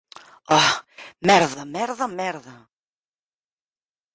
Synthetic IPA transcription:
ɔmɛɾðamɛɾðamɛɾða

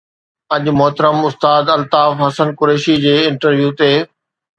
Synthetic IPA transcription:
ɐʄmʊɦt̪əɾəmʊst̪aːd̪ɐlt̪aːfɦɐsənkʊɾeːʃid͡ʑeːɪ̃ɳʈəɾʋjuːt̪eː

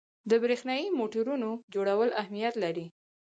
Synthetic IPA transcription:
d̪əbɾexnɑjimoʈaɾunod͡ʒoɽawəlahmijat̪laɾi

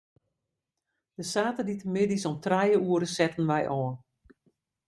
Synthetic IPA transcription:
d̥əsaːtəditəmɪdisɔmtrɛjəuəɾəsɛtən̩ʋɛjʔɔːn

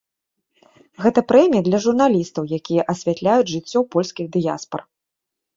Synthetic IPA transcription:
ɣɛt̪ɐpɾɛmʲijɐd̪lʲɐʐurn̪alʲist̪ɐwjakʲijɐʔɐsʲvʲat̪lʲajud͡zʲʐɨt͡sʲːɔwpɔlʲsʲkʲiɣd̪ɨja̰spɐ̰r

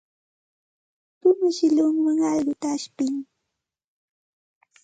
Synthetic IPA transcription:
t̪ʊmɪʃɪʎʊŋwaŋɑʎɢʊt̪aːʃpɪŋ

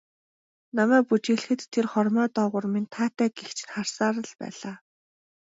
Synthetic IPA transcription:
namæːk̚put͡ɕiːɮ̆xɘ̆t̪ʰːerχɔrmœːt̪ɔːʁʊ̆rmint̪ʰaːt̪æːɡext͡ɕʰɪ̥̆nχar̥saːɾə̆ɮpæ̰ːɮaː

